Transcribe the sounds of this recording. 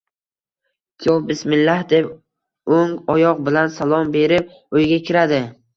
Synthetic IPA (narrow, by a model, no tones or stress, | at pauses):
kʲʰjɒfbɪsmɪlːahd̪e̞p | oŋɒjɒq̚bɪlansalˠɒmbe̞ɾɪp̚ | ojɡʲakʲʰɪɾad̪ɪ